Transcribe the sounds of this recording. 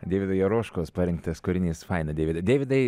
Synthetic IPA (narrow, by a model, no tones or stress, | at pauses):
d̪ʲeːʋʲɪd̪ɐjɛɾoːʃkoːspɐɾʲɪŋkt̪ɐskʊɾʲɪnʲiːsfɑɪnɐd̪ʲeːʋʲɪd̪ɐɪd̪ʲeːʋʲɪd̪ɐɪ